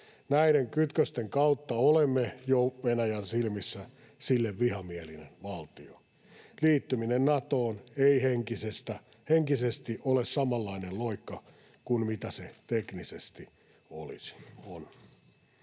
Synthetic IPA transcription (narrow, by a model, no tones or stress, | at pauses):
næiɾeŋkyt̪køst̪eŋkɑut̪ːɑolemːejoʋenæjænsilmisːæ | silːeʋʋihɑmielinenʋɑlt̪io | liːt̪ːyminennɑt̪oːneiheŋkisest̪æ | heŋkisest̪iʔolessɑmɑlːɑinelloikːɑ | kunmit̪æset̪eknisest̪i | o̰lḭsi̥on